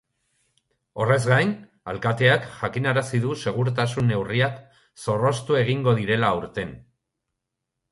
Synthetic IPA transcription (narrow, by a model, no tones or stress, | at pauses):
o̞re̞zɡajn | alkat̪e̞akʝakinaɾasiðuse̞ɣ̞uɾt̪asunːe̞wriak | so̞ro̞st̪ue̞ɣiŋɡo̞ðiɾe̞lauɾt̪e̞n